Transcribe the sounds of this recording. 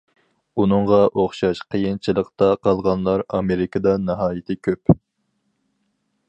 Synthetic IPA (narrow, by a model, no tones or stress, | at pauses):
unɨŋʁɑʔoχʃɑʃqʰəjint͡ʃʰilˠəqt̪ɑqʰɑlˠʁɑnlˠɑɾɑmeɾɪkʰəd̪ɑnɨɦɑːjɪt̪ʰɪkʲʰøp